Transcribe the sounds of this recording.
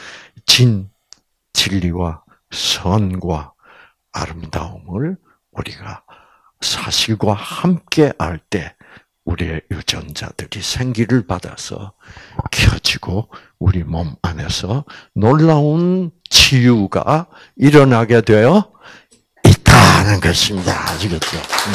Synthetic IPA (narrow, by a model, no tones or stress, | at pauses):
t͡ɕin | t͡ɕiʎːiwa | sʰʌnɡwa | a̰ɾɯmda̰ɯmɯɭ | uɾiɡa | sʰaɕʰiɭɡwahamk͈e̞ʔaɭt͈e̞ | uɾiejud͡ʑʌnd͡ʑa̰d̥ɯɾisʰe̞ŋɡiɾɯɭpada̰sʰʌ̰ | kʰjʌd͡ʑiɡ̥o | uɾimʌmane̞sʰʌnoɭːaunt͡ɕijuɡa̰ | iɾʌnaɡe̞dwe̞jʌ | it͈anɯnɡʌɕʰimdad͡ʑiɡʌo̰